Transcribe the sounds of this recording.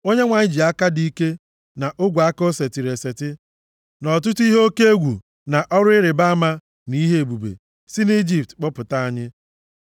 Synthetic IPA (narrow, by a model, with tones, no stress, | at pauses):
o˦ɲe˦ŋʷa˨ɲɪ˦d͡ʒi˨a˦ka˦di˦ke˦ | na˨ʔʊ˦ɡʷa˦ko˦se˨ti˨ɾe˨se˨tɪ˦ | nɔ˨tʊ˦ti˦ɦo˦ke˦e˦ɡʷu˨ | na˨ʔɔ˦ɾʊ˦ɪ˦ɾɪ˨ba˦a˦ma˦ | ni˦ɦe˦˨bu˨bḛ˨ | si˦ni˦d͡ʒi˨p̚tk͡pʊ˦pʊ˨ta˦a˦ɲɪ˦